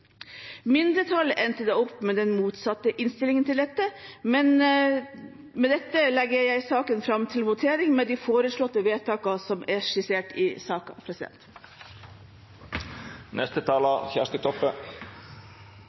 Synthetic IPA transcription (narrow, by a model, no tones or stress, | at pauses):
mɪnd̪ɾət̪ʰɑlʔɛnt̪əd̪eːɔpːmeːd̪ɛnmuːt̪sɑt̪ːəʔɪnst̪ɪlɪŋənt̪ɪld̪ɛt̪ːəmɛn | mɛd̪ɛt̪ːəlɛɡəɾjæɪsɑːkənfɾɑmt̪ʰɪlʋʊt̪ʰeːɾɪŋmeːd̪ifoːɾəʂɭɔt̪ːəʋeːt̪ʰɑːkɑsɔmʔæʂɪseːʈɪsɑːkɑpʰɾɛsɪd̪ɛ̰nt̪ | nʔɛst̪ət̪ʰɑːlɑçæ̰ːʂt̪ət̪ʰɔpːə